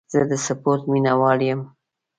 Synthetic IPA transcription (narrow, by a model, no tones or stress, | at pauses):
z̥əd̪əsapoɾt̪minawɑljəm